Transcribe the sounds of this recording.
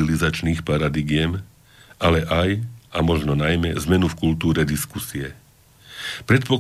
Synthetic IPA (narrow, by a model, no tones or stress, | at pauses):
ilizat͡ʃniːxpaɾad̪iɡɪjɛm | alɛʔajʔamɔʒnɔnajmɛzmɛnufkult̪uːɾɛd̪iskusiɛ | pɾɛt̪̚pɔk